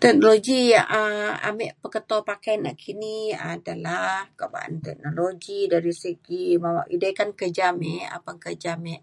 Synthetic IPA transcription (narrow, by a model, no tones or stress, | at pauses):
t̪ɛk̚noloɡiaʔaa̰mɛʔpəkət̪ɔpakajana̰ʔkʰiniadalahkoba̰ʔa̰nt̪ɛ̰k̚noloɡidaɾisəɡimawaʔidakankəd͡ʒamɛa̰paŋkəd͡ʒamɛʔ